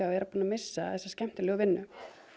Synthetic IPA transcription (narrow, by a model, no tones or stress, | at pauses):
aɛɾapuːnamɪsːaθɛsːascɛm̥t̪ɪlɛːɣʏvɪnːʏ